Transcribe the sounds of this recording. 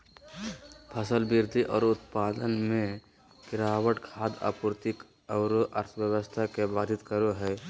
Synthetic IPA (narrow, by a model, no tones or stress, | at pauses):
pʰəsəlbɪɾd̪ʱiʔɔːɾʊt̪paːd̪ənmẽ | kɪɾaːwəʈkʰaːd̪a̰ːpuɾt̪ɪk | ɔʊɾoʔə̰ɾt̪ʰʋjəwəst̪ʰakebaːd̪ʱɪt̪kəɾoɦɛː